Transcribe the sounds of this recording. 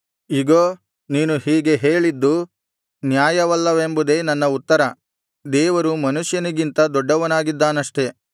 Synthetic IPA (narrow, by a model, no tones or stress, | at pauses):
iɡoː | niːnuhiːɡe̞ɦeːɭid̪ːu | njaːjɐʋɐlːɐʋe̞mbud̪e̞ːnɐnːɐut̪ːɐɾɐ | d̪ɛːʋɐɾumɐnuʂjɐniɡint̪ɐd̪ɔɖːɐʋɐnaːɡid̪ːaːnɐʂʈe̞